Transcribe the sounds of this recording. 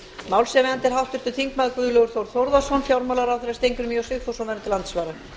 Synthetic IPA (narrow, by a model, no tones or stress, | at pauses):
mawlsɛvɛant̪ɪɾ̥ɦawht̪ʏɾ̥t̪ʏθiŋkmaðkvʏðlœɣʏɾ̥θowɾθowɾðasɔnfjawɾmawlaɾawθɛɾast̪ejŋkʏɾmiɔwsɪxθɔsɔvɛɾant̪ɪlant̪svaːɾa